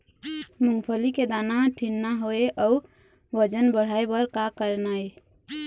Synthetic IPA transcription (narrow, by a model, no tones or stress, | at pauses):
muŋpʰəliked̪anaʈʰinːaɦoeʔə | bəd͡ʒənbəɽ̤ajbəɾkakəɾnaj